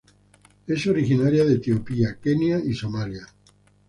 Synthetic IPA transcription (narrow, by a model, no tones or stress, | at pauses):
esoɾixinaɾjaðet̪iopiakenjaisomalja